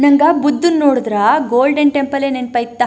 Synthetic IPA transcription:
nɐŋɡɐbud̪ːunːoːɽud̪ɾɐɡoːlɖɐɳʈempɐleːnenpɐjt̪ːa

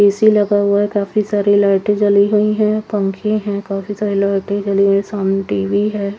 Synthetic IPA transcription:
peːsilɐɡaɦuaɦɛkaːfisaːɾilaːɾʈẽd͡ʒɐliɦuiɦɛ̃pɐ̃ŋkʰẽɦɛ̃kaːfisaːɾelaːʈẽd͡ʒɐliɦuesaːmneʈiːʋiɦɛː

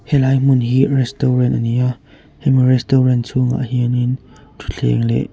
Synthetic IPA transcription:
hɛlajmunɦirɛstɔɾɛntʔənia | hɛmirɛstɔɾɛnt͡sʰuŋa̰ʔhinin | t̪ʰu̥ɬʰɛ̰ŋlɛ̰ʔ

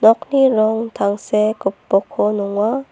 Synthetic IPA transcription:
nɔk̚niɾɔŋt̪ʰaŋsekupːɔkʰonuŋwa

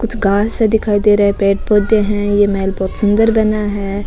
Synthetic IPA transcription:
kʊt͡ʃʰɡaːsed̪ɪkʰaːid̪eɾɐɦẽpeːʈ̚poːd̪eɦɛ̃jemɛːlbɔːt̪sʊ̃nd̪əɾbɐnaɦɛː

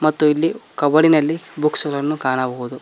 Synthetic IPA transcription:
mɐt̪ːuilːikɐʋɐɽinɐlːibuksɡɐlɐnːukaːnɐbɐɦud̪u

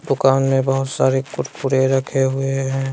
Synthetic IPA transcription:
d̪ʊkaːnmẽbəɦʊt̪saːɾekʊʈpuɾeɾɐkʰeɦʊeɦɛ̃ː

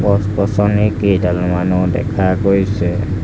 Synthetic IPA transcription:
bɔspɔsɔnikedalmanudɛ̰kʰaɡojsɛ

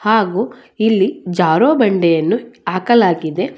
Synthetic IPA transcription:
haːɡuː | ilːid͡ʒaːɾoːbɐɳɖɛjɐnːuaːkɐlaːɡid̪e̞

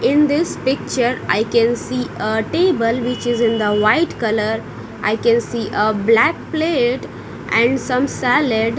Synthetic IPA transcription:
ɪ̃nd̪ɪspɪk̚t͡ʃəɾa̰ɪkɛ̃nsiːəʈeːbəlʋɪt͡ʃɪzɪ̃nd̪əʋaɪʈkʌləɾ | ʔa̰ɪkɛ̃nsiːʔəblæk̚pleːʈ | ʔɛ̃ɳɖsʌ̃msæleɖ

